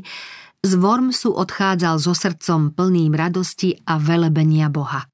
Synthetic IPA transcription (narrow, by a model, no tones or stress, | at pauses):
zʋɔɾmsuʔɔt̪xaːd͡zalzɔsr̩t͡sɔmpl̩niːmɾad̪ɔsciaʋɛlɛbɛɲɪabɔɦa